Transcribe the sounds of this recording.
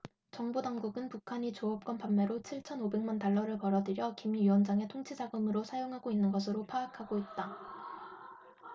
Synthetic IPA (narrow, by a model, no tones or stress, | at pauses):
t͡ɕʌŋbodaŋɡuɡɯnpukʰaɲit͡ɕoʌp̚k͈wʌnpamːeɾot͡ɕʰiɭt͡ɕʰʌnobe̞ŋmantaɭːʌɾɯɭpʌɾʌdɯɾjʌkimiwʌnd͡ʑaŋe̞tʰoŋt͡ɕʰid͡ʑaɡɯmɯɾosʰajoŋɦaɡoinːɯnɡʌsʰɯɾopʰaːkʰaɡoit̚t͈a